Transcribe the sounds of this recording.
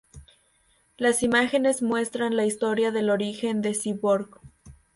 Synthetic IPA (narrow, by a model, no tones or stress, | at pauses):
lasimaxe̞ne̞zmwe̞st̪ɾanlaist̪o̞ɾjaðe̞lo̞ɾixe̞nd̪e̞siβoɾɣ